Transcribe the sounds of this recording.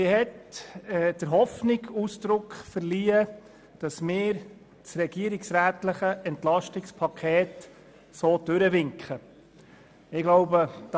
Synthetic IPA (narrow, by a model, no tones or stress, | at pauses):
ɪɦɛtɛd̥əɾɦɔfnɪɡusd̥ɾʊkχfəɾliːə | d̥ɑsmɪːɾ | sɾɛɡiəɾɪksɾæːtləχəʔɛntlɑʃtɪkspʰɑkʰeːt | soːd̥ʉɾəʋɪŋkχə | ɪɡloʊbəd̥